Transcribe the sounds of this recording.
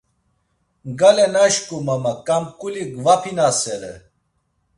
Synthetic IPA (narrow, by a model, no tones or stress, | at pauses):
ɡalɛnaʃkʼumamakʼamkʼuliɡvapʰinasɛɾɛ̰